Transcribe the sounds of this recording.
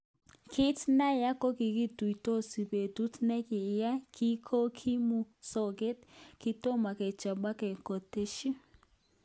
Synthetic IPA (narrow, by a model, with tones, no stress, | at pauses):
kʰɪ˦tna˦ja˦ko˦ki˨ki˦tu˨i˨to˦si˨pe˨tu˦tnɛ˦kɪ˨ja˦kʰi˦kʰo˦kʰi˦mu˨sɔ˨ɡe˦tkɪ˦to˦ma˨kɛ˨t͡ʃa˨ba˦kɛ˨ko˨te˦ʃi˦